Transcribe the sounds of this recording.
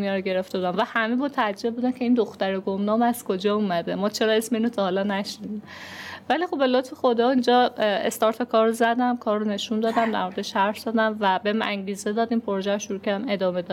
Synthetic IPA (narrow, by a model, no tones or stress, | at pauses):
mijɒɾɡe̞ɾe̞ft̪ebud̪æmvæhæmebot̪ʰææd͡ʒːe̞bbuːd̪æmcʰeiːnd̪oxt̪æɾeɡomnɒːmæz̥kʰod͡ʒɒːumæd̪emɒːt͡ʃʰe̞ɾɒe̞smeinot̪ʰɒhɒlɒnæʃnid̪imvælixobbe̞lot̪fexo̞d̪ɒːind͡ʒɒːḛst̪ɒɾt̪ʰɒkʰɒɾozæd̪æmkʰɒːɾːone̞ʃund̪ɒːd̪æmd̪æ̰ɾmo̞ɾed̪eʃæɾfz̥ɒd̪æmvæbeʔæ̰ŋɟiːze̞d̪ɒːd̪impʰoɾoʒæɾoʃuɾuːcʰæɾd̪æme̞d̪ɒːme̞d̪ɒd̪